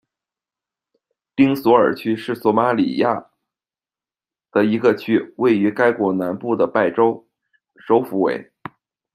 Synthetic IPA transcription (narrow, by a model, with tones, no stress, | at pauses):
pi˥ŋswɔ˧˥ə˞˨˩t͡ɕʰy˥ʂɻ̩˥˩swɔ˧˥ma˧˥lḭ˨˩ja˥˩ | d̪̥ə˨i˧˥ɡə˧t͡ɕʰy˥we˥˩ɪy˧˥ka˥ɪkwɔ˧˥na˧˥npu˥˩d̪ə˩pa˥˩ɪʈ͡ʂo˥ʊ | ʂo˧˥ʊfu˧˥wḛ˧˥ɪ